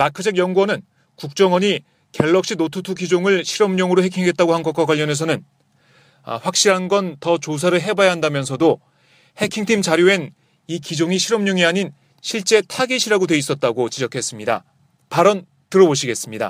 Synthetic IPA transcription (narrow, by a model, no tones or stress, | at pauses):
makʰɯd͡ʑʰeɡjʌŋɡuwʌnɯn | kuk̚t͡ɕ͈ʌŋwʌɲi | ke̞ɭːʌk̚ɕ͈inotʰutʰukid͡ʑoŋɯɭɕʰiɾʌmɲʌŋɯɾoɦe̞kʰiŋɡe̞t̚t͈aɡohanɡʌkwakwaʎːʌne̞s̬ʰʌnɯn̰ | ɸwak̚ɕ͈iɾɦanɡʌntʌt͡ɕos̬ʰaɾɯɭɦe̞bajaɦandamjʌnsʰʌdo | he̞kʰiŋtʰimt͡ɕaɾjoe̞n | ikid͡ʑoŋiɕʰiɾʌmɲʌŋiaɲin | ɕʰiɭt͡ɕ͈e̞tʰaɡiɕʰiɾaɡodwe̞is͈ʌt̚t͈aɡot͡ɕid͡ʑʌkʰe̞s͈ɯmɲida̰ | paɾʌn | tɯɾʌboɕʰiɡe̞s͈ɯmɲida̰